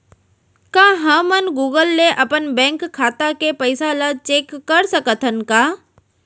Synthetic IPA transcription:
kãːɦə̃mənɡuːɡəlːeʔɐpənbɛ̃ːŋkʰːaːt̪akepəɪsalat͡ʃeːkːəɾsəkət̪ʰənkaː

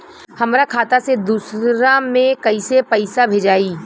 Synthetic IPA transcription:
hɐmɾakʰaːt̪ased̪uːsɾamẽkɐisepɐɪsabʱeːd͡ʒaːiː

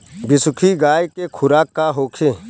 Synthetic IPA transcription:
bɪsʊkʰiːɡaːjkeːkʰʊɾaːkːaːɦoːkʰeː

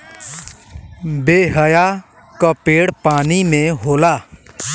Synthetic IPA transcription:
beːɦəjaː | kəpeːɽpaːnimẽɦoːlaː

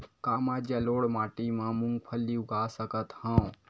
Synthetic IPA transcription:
kamad͡ʒjaloːɽmaːʈimãmũŋɡpʰəlːiuɡasəkət̪hãõ

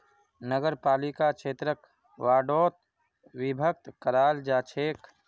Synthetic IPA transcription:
nəɡəɾpaːlikakʃeːt̪ɾək | ʋaːɖoːt̪̚ | wibʱək̚t̪kəɾaːld͡ʒaːt͡ʃʰeːk

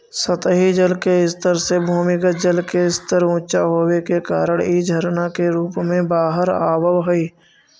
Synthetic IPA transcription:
sət̪əɦid͡ʒəlkeɪst̪əɾsebʱuːmɪkəd͡ʒəlkeɪst̪əɾũːt͡ʃaɦoːwekekaːɾəɽ̃id͡ʒʱəɾnakeɾuːpmẽbaːɦəɾaːbəʋɦoiː

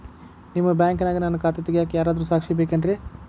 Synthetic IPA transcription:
nimːɐbjaːŋkɐnaːɡinɐnːɐkaːt̪et̪ːiɡejaːkejaːɾaːd̪ɾuːsaːkʂijɐbeːkɐnɖɾi

